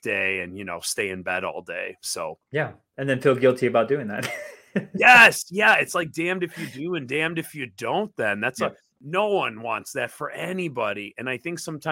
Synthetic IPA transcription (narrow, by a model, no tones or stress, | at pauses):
d̥eɪɨ̰̃njɨno̰ʊsteɪɨ̃nbɛɾɔ̰lˠdeɪsoʊjæ | ɨ̃nðɨ̃nfilˠɡɪlˠtʰiɨbaʊt̚d̥ʉɪ̃ŋðæ̰t̚ | jɛsjɛɨtslaɪk̚d̥æ̃mdɨfjɨdɨɨ̃ndæ̃mdɨfjɨdõʊ̃nðɨ̃nðætsə | noʊwʌ̃nwɑ̰̃ntsðɨtfə˞ʔɛnibɑɾiʔɨ̃naɪθɪ̃ŋksʌ̃mtʰã